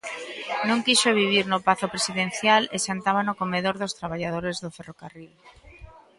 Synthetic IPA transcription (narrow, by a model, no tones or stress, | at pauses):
nõŋkiʃoβiβ̞iɾnʊpaθopɾesiðẽn̟θjaleʃant̪aβ̞anokomeðoɾðost̪ɾaβ̞aʎað̞oɾezðoferokaril